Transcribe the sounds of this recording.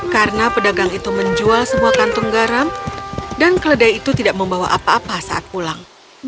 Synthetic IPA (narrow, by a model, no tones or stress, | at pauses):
karənapədaɡaŋit̪uməɲd͡ʒualsəmuakant̪uŋɡaɾamdankələdajit̪ut̪idaʔməmbawa̰ʔapaːpasaʔa̰t̪̚pulaŋ